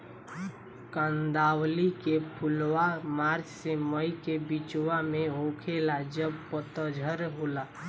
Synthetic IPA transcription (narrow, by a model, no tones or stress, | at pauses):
kãnd̪aːwlikepʰʊlwamaːɾt͡ʃseməjkebit͡ʃwamẽõkʰelad͡ʒəb̚pət̪əd͡ʒʱəɾɦola